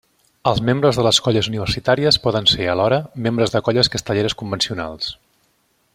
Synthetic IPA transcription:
əlˠzmembɾəzðələskɔʎəzuniβərsit̪aɾiəspɔðənseəlɔɾəmembɾəzðəkɔʎəskəst̪əʎeɾəskumbənsiuna̰lˠs

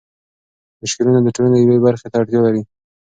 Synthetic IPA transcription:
mʊʃkɪlunad̪əʈolanajawebaɾxet̪aaʈt̪jalaɾi

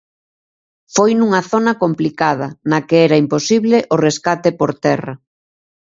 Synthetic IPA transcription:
fojnuŋɐθonɐkomplikað̞ɐnɐkeɛɾɐimposiβleʔoreskat̪epoɾt̪ɛrɐ

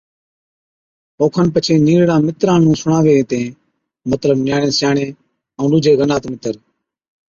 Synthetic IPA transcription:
oːkʰənpət͡ʃʰeːniːɾɽãːmɪt̪ɾãːnũːsʊɳãːʋeːt̪ẽː | mət̪ləbnjaːɳẽːsjaːɳẽː | ə̃ːɖuːd͡ʒʱeːɣənaːt̪mɪt̪əɾ

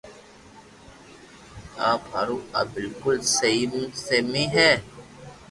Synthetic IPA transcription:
aːphaɾua̰bɪlkʊlseimsemiɦɛː

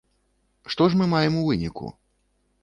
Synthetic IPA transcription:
ʂt̪ɔʂmɨmajɛmuvɨnʲikṵ

